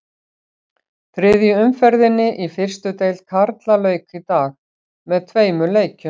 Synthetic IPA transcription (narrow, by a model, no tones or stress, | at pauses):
θɾɪðjʏʏmfɛɾðɪnːɪʔifɪr̥st̪ʏt̪eːjlkʰaɾt̪lalœːɥkit̪aːx | mɛðt̪ʰveːjmʏleːjcʏ